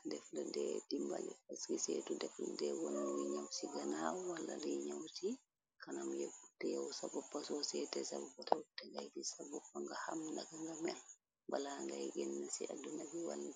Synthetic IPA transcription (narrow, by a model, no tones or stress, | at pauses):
dɛfladɛdimbalɛaskiseːtudɛfla̰dɛwɔnːuwiɲawsiɡanawalːalijɲawti | kanamjɛfutːɛjawsabɔpːasɔsɛtɛsabɔbatatɛŋɡajdisabɔpːaŋɡahamndaɡaŋɡamɛl | balaŋɡajɡɛnːasia̰dunabiwa̰lni